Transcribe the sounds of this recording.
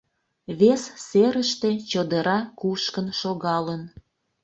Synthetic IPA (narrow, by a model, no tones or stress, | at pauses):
βesseɾəʃt̪et͡ɕəd̪əɾɑkuʃkənʃoɣɑlən